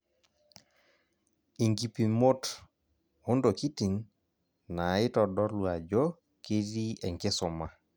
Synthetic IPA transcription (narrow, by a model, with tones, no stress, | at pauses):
i˨ŋɡi˨pi˨mo˦t | o˦ndo˨ki˦ti˨n | na˨ɪ˦tɔ˨dɔ˦lwa˨d͡ʒɔ˦ | ki˦ɾi˦ɛ˨ŋɡɪ˦sɔ˨ma˨